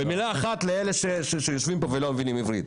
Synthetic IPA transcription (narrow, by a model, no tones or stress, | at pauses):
bemilaːχat̪leele̞ʃeʃeʃejoʃvimpovelo̞mevinimivʁḭd̪